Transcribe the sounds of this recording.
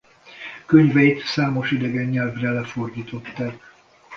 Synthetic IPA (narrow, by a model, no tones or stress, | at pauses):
kø̞ɲvɛjit̪saːmo̞ʃid̪ɛɡɛɲːɛlvrɛlɛfo̞rd̪iːt̪o̞t̪ːaːk